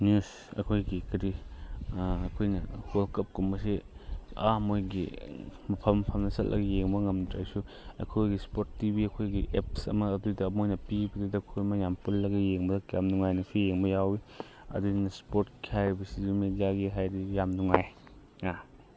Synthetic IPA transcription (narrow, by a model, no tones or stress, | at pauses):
njus | ɐ̰kʰojɡikɐɾi | ɐkʰojnɐholkɐp̚kumbɐsiamojɡḭmɐpʰɐmːɐpʰɐmnɐsɐ̰t̚lʔɐ̰ɡɐjeŋbɐŋɐmnɐtʰajsu | ɐ̰kʰojɡispotːibiɐkʰojɡiʔep̚sɐ̰mɐːdudɐːmojnɐpibɐdidɐkʰojmɐjampulːɐɡɐjeŋbɐdɐkjamnuŋajnɐsijeŋbɐjawi | ɐ̰dunɐspoɾtkihajɾibɐsizimedijaɡiɦajɾijamnuŋaj | a